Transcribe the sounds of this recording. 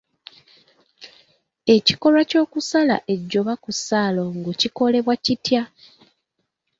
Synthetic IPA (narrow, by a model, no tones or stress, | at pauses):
e̞ci̥ko̞lwaco̞ːkusala̰ʔe̞ɟːo̞βakusaːlo̞ŋɡuciko̞le̞βwacitja